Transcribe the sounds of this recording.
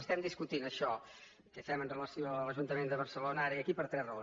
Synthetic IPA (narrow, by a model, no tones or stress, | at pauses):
əst̪ɛmd̪iskut̪inəʃɔ | kəst̪ɛmənrələsioələʒunt̪əmend̪əβəɾsəlonəaɾəiəkipəɾt̪ɾɛzrəon